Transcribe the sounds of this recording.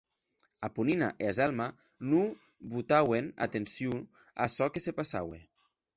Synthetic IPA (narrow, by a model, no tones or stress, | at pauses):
apuninaʔeazalˠma | nu | βut̪awena̰t̪ensju | a̰sɔkesepasa̰wḛ